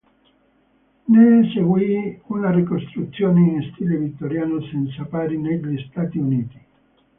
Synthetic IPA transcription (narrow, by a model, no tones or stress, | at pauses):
neseɡwiunarikost̪ɾut̪sːjoːneinst̪iːlevit̪ːoɾjaːnosɛnt̪sapaːɾineʎist̪aːt̪iuniːt̪i̥